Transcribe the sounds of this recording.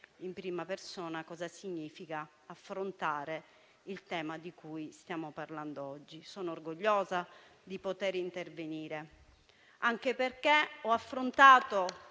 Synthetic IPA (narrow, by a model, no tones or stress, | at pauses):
impɾiːmapersɔːnakɔːzasiɲːiːfika | afːɾont̪aːɾe | ilt̪ɛːmad̪ikujst̪jaːmoparland̪oɔd͡ʒːisɔːnoorɡoʎːɔːza | d̪ipot̪eɾint̪erveniːɾe | aŋk̟eperkeɔafːɾont̪aːt̪o